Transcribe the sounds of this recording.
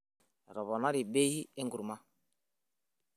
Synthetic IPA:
ɾɔ˨βɔ˨na˦ɾi˨be˦hi˦e˦ŋɡu˨ɾma˦

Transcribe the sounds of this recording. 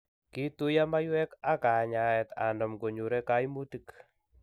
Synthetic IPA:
ki˦tu˦ja˦ma˦jwɛ˦ka˦ka˨ɲa˨ɛ˨t̪a̰˨ndɔ˨mko˨ɲu˨ɾɛ˦ka˦jmu˦ti˦k

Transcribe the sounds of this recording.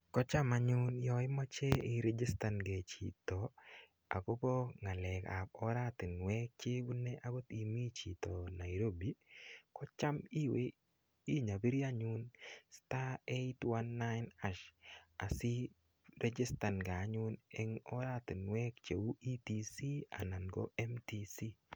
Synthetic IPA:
kɔ˦t͡ʃa˦ma˦ɲʊ˦njɔ˨ɪ˦mɔ˦t͡ʃe˦ɪ˨ɾɛ˦d͡ʒi˦sta˨nɡe˨t͡ʃḭ˨tɔ˨ | a̰˨ko˦bo˦ŋa˨lɛ˨ka̰˨pɔ˦ɾa˦t̪ɪ˨nwɛ˦k̚t͡ʃe˦wu˦ne˦ʔa˦ɡo˦t̪i˨mi˦t͡ʃi˨to˨na˨i˨ɾo˦bi˨˦kɔ˦t͡ʃa˦mi˦we˨ | i˦ɲa˨bi˦ɾja˦ɲʊ˦nsta˦e˦twa˦nːa˦ɪna˦ʃa˨si˦ | ɾʔe˦d͡ʒɪ˦sta˨nɡa˨˦ɲʊ˦ne˦ŋɔ˦ɾa˦t̪i˨nwɛ˦kt͡ʃe˨wu˦i˦tisi˦a̰˨na˨nɡɔ̰˦ɛ˦mti˦si˦

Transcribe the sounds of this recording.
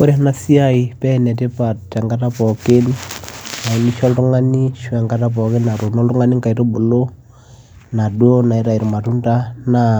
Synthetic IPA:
o˦ɾi˦na˦si˦ai˨pɛ˦nɛ˨te˦pa˨ta˨ŋɡa˦ta˦pɔ˨ke˦nna˨i˨ni˦ʃɔ˦lɾu˦ŋa˦ni˦ʃu˦a˨ŋɡa˦ta˦p̬ɔ˨ke˦na˨ɾu˨nɔ˦lru˦ŋa˦ni˦ŋka˨i˨ɾo˦bu˨lo˦ | na˨dwo˦na˨i˦ɾa˨i˨ɾi˨ma˨tu˦nta˦na

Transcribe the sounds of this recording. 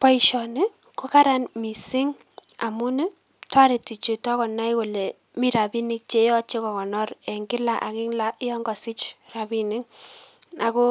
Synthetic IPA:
pɔ˦i˦ʃɔ˨nɪ˦ | ko˦ka˦ɾa˦nmi˨sɪ˦ŋ | a˨mu˦nɪ˦ | ta˦ɾɪ˨ti˨t͡ʃo˨tɔ˦kɔ˨na˦jko˨lɛ˨ | mi˦ɾa˨bi˦nɪ˦k̚t͡ʃe˦jɔ˦t͡ʃe˦kɔ˨kɔ˨nɔ˦ɾɛ˨ŋɡɪ˦la˨ʔa˨kɪ˦ŋla˦ʔɪ˦ɔ˦ŋɡɔ˨sɪ˦t͡ʃra˨bi˨nɪ˦ŋ | a˨ko˦

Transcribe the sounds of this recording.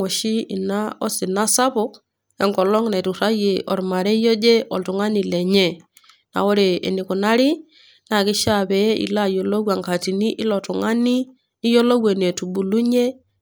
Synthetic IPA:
o˨ʃi˦ḭ˨na˦ɔ˦si˨na˦sa˦pɔ˦k | ɛ˦ŋkɔ˨lɔ˦ŋna˨tu˨ɾa˦je˨ʔɔ̰˨ɾma˨ɾɛ˦jo˦d͡ʒe˦ʔɔ˨ltu˨ŋa˦ni˨lɛ˨ɲɛ˦˨ | na̰˨ɔ˦ɾe˨ḛ˨ni˨ku˨na˦ɾi˦ | na˨kɪ˦ʃa˦˨bɛ˨˦ʔḭ˨la˦jo˨lo˦wa˨ŋka˨ti˨ni˦ʔɪ˦lɔ˨tu˨ŋa˦ni˦ | i˦jo˦lo˦we˨ne˨tu˨bu˨lu˦ɲe˦

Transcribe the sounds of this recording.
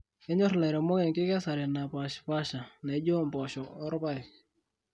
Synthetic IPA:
ɛ˦ɲɔ˦ɾlɛ˨ɾɛ˨mɔ˦ɡɛ˨ŋkɪ˦kɛ˦sa˨ɾɛ˨na˨pa˨ʃpa˦ʃa˨nɛ˨˦d͡ʒo˦mbɔ˨ʃɔ˨ɔ˦ɾba˦j

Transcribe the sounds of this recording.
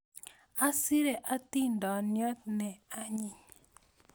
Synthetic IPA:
a˦si˦ɾe˨ʔa˦t̪i˦ndɔ˨njɔ˦t̪̚nɛ˨a˦ɲi˨ɲ

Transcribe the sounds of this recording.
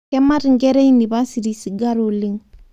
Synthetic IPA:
kɛ˦ma˦ɾŋɡɛ˦ɾe˦i˦ni˨ba˦si˨ɾi˨si˨ɡa˦ɾo˨li˦ŋ

